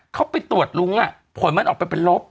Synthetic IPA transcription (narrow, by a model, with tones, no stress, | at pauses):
kʰa˦˥wpa˧jt̪u˨˩ət̪̚lu˧˦ŋʔa˨˩ʔ | pʰu˨˩˦nma˧nʔɔː˨˩k̚pa˧jpe˧nlo˦˥p̚